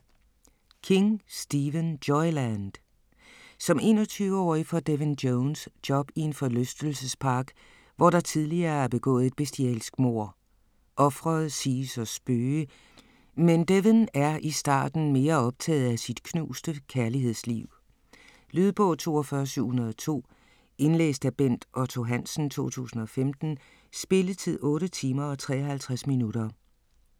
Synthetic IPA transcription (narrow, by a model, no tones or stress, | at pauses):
kʰe̝ŋsd̥iʋənd̥ɒɪlænd̥ | sɒ̽me̝̰ːnɒ̽t͡sʰyːʊəɒ̰ːifɒ̽d̥eʋendoʊnsd̥ɒ̽b̥ie̝nfɒ̽løsd̥l̩səspʰɑ̈ːɡ̥ | ʋɒɾɑ̈t͡sʰiðˠliɐːæɐb̥e̝ɡ̥ɔ̰̽ːð̩ˠe̝d̥̚b̥esd̥iɛ̰lsɡ̥mo̝ɐ̰ | ʔɒ̽fʁɐð̩ˠsiːsɒ̽sb̥øːə | mend̥eʋnæɐʔisd̥ɑ̰̈ːd̥n̩me̝ːɐɒ̽b̥̚t͡sʰɛ̰ːð̩ˠæsid̥kʰnṵːsd̥əkʰæɐliɦe̝ð̞̰ˠslḭʊ | lyðˠb̥ɔ̽t͡sʰo̝̰ːɒfɶːɐsyʊ̰hunɐð̞ˠɒt͡sʰo̝̰ː | e̝nlḛːsd̥æb̥en̰d̥ʔɒt͡sʰo̝ɦæn̰sn̩t͡sʰo̝̰ːt͡sʰṵːsn̩ɒ̽femd̥n̩ | sb̥e̝lət͡sʰiðˠɔ̽ːɾət͡sʰiːmɐɒ̽t͡sʰʁɛ̰ːɒhælt͡sʰʁasminuɾ̥ɐ